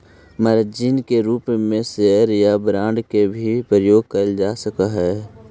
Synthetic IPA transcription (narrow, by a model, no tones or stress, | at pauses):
məɾəd͡ʒinkeɾuːpmẽseəɾjabɾãːɳɖkebʱipɾəjoːɡ̚kəld͡ʒaːsəkaɦɛː